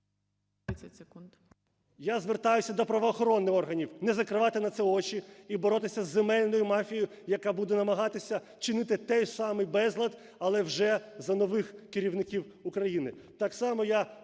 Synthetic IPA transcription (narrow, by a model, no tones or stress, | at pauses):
ɐsekund̪ | jazʋert̪ɑjʊsʲɐd̪ɔpɾɐʋɔːxɔɾɔnːɪxɔrɦɐnʲiwnɛzɐkɾɪʋɑt̪ɪnɐt̪sɛɔt͡ʃiibɔɾɔt̪ɪsʲɐzːemɛlʲnɔjʊmɑfʲijʊ | jɐkɑbud̪ɛnɐmɐɦɑt̪ɪsʲɐ | t͡ʃɪnɪt̪ɪt̪ɛjsɑmɪjbɛzlˠɐd̪ | ɐlˠɛwʒɛzɐnɔʋɪxkɪɾʲiwnɪkʲiw | ukɾɐjinɪt̪ɑksɑmɔja